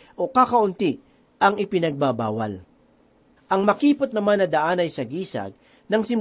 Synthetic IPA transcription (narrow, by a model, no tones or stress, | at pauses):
ʔo̞kakɐʔʊnt̪i | ʔɐŋɪpɪnɐɡ̚baba̰ːwɐ̰l | ʔɐŋmɐkiːpot̪nɐmanːɐd̪ɐʔaːnɐjsɐɡiːsɐ̰ɡ̚ | nɐŋsɪm